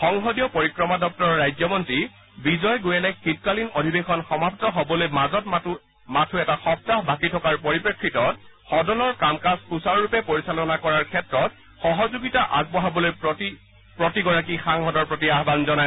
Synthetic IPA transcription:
xɔŋɦɔdijɔpoɹikɹɔmadɔk̚tɔɹɔɹajzɔmɔntɹi | bizɔjɡojɛlɛxit̚kalinodʱibexɔnxɔmapʰtɔɦobɔlojmazɔt | matʰuɛtaxɔp̚taɦbakitʰɔkaɹpoɹipɹekʰːitɔtxɔdɔnɔɹkamkaspusaɹɹupɛpoɹisalɔnakɔɹaɹkʰɛtɹɔt̚ | xɔɦɔzuɡitaʔaɡ̚bɔɦabɔloj | pɹotiɡɔɹakixaŋɦɔdɔɹpɹotiaɦbanzɔnaj

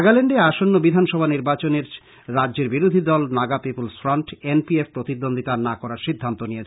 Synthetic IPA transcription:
ɡaleɳɖeaʃonːobid̪ʱanʃɔbʱaniɾbat͡ɕoneɾː | adʑeɾbiɾod̪ʱid̪ɔlnaɡapipolsfɾɔɳʈenpiefpɾot̪id̪ːond̪ʱit̪aɾnakɔɾaɾʃid̪ʱːant̪onijet͡ɕʰ

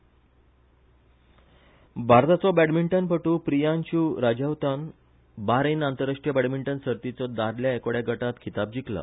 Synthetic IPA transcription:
bʱaɾt̪at͡sɔbæɽmiɳʈənpəʈuːpɾijanɕuːɾad͡ʑawt̪an | baɾenant̪əɾaʂʈɾijəbæɽmiɳʈənsəɾt̪it͡sɔd̪aɾljaekɽjaɡəʈat̪kʰit̪ab̚d͡ʑikla̰

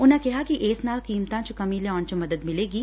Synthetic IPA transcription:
ʊnɦẽkɛɦakiʔeːsnaːlkiːmt̪ãt͡ʃokɐmiljɔːnt͡ʃomɐd̪əd̪mɪleːɡiː

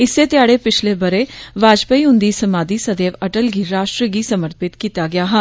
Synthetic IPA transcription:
ɪsːeːt̪ɪjaːɽeːpɪt͡ʃʰleːbəɾeːʋaːd͡ʒpəiːɦʊ̃nd̪iːsəmaːd̪iːsəd̪eːʋəʈəlɡiːɾaːʃʈɾəɡiːsəməɾpɪt̪kiːt̪aːɡɪaːɦə̃n

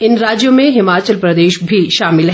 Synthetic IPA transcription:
ɪnɾaːd͡ʒjõmẽɦɪmaːt͡ʃəlpɾɐd̪eːʃbʱiʃaːmɪlɦ

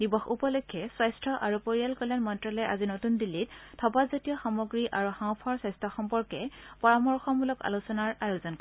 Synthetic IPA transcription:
dibɔxupɔlɔkʰːɔswajstʰɔʔaɹupoɹijalkɔlanmɔntɹalɛʔa̰zinotundilːit̚tʰːɔpazɔtijɔxamoɡɹiʔaɹuxãw̃pʰɔɹsɛstʰaxɔmpɔɹkɛpɔɹamɔɹxɔmbulɔka̰lusɔnaɹajozɔnk

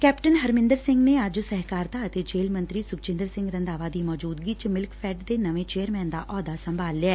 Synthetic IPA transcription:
kɛːpʈənɦəɾmɪ̃nd̪əɾsɪ̃ŋɡneəd͡ʒsɛɦkaːɾt̪aət̪eːd͡ʒeːlmə̃nt̪ɾiːsʊk̚t͡ʃɪ̃nd̪əɾsɪ̃ŋɡɾə̃nd̪aːʋaːd̪iːmɔːd͡ʒuːd̪ɡiːt͡ʃmɪlkpʰɛːʈd̪eːnəʋẽt͡ʃeːəɾmɛ̃ːnd̪aːʔɔːd̪asə̃mbʱaːlːɪaɛː

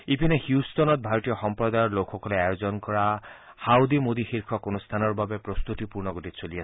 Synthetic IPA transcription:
ipinɛxjustɔnɔt̚bʱaɹɔtijɔxɔmpɹɔd̪ajɔɹlokʰxɔkɔlɛajozɔnkɔɹa | hawd̪imod̪ixiɹkʰɔkonust̪ʰanɔɹbabɛpɹɔst̪utipuɹnɔɡotitsoliasɛ

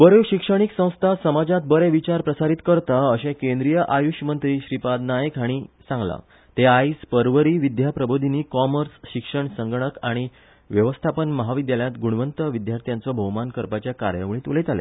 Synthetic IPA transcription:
bəɾewɕikʂəɽ̃iksə̃w̃st̪ʰasəmad͡zat̪̚bəɾeʋit͡ɕaɾpɾəsaɾit̪kəɾt̪aəɕẽkẽnd̪ɾijəʔajuɕmənt̪ɾiːɕɾipad̪najekɦaɽ̃iːsãŋɡla̰ | t̪eaispəɾʋəɾiʋid̪japɾəbod̪ʱiniːkɔməɾsɕikʂəɳsəŋɡɳ̃əkaɽ̃i | ʋjəʋəst̪ʰapənməɦaʋid̪jaljãt̪ɡuɽ̃ʋənt̪əʋid̪jaɾt̪ijãnt͡sɔbʱəwmankəɾpat͡ɕjaka̰ɾjə̰ʋɳ̃ĩːt̪ulet̪alḛ

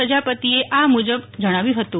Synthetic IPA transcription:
əd͡ʒapət̪ieʔamud͡ʒəbd͡ʒəɽ̃aʋjũɦət̪u

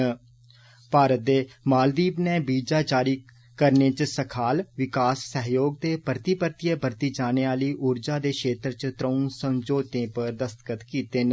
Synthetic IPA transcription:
paːɾət̪̚d̪eːmaːld̪iːbneːbiːd͡ʒaːd͡ʒaːɾiː | kəɾneːt͡ʃsəkʰaːlʋɪkaːsːəɦjoːɡ̚t̪eːpɾət̪iːpəɾt̪ijeːbəɾt̪iːd͡ʒaːneːaːliːʔʊɾd͡ʒaːd̪eːkʃeːt̪ɾt͡ʃt̪ɾəːnsəmd͡ʒoːt̪ẽːpəɾd̪əst̪ə̥kət̪kiːt̪eːn

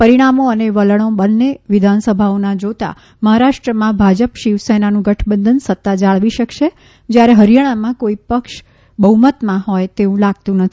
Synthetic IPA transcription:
pəɾiɽ̃amoəneʋələɽ̃obənːeʋɪd̪ʱansəbʱaonad͡ʒot̪a̰ | məɦaɾaʃʈɾəmãbʱad͡ʒəpʃiʋsɛnanũɡəʈʰbənd̪ʱənsət̪ːad͡ʒaɭʋiʃəkʃe | d͡ʒjaɾeɦəɾjaɽ̃amãkoipəkʃ | bəɦumət̪mãɦɔjt̪eũlaɡ̚t̪ũnət̪ʰi

